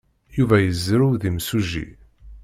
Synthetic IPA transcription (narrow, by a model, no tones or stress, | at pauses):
juvæjəzːɾuwðimsuʒḭ